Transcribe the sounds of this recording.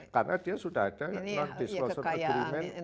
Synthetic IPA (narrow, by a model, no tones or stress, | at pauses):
karnadiasudahad̥ajanad̥iskɔnsəɾimɛn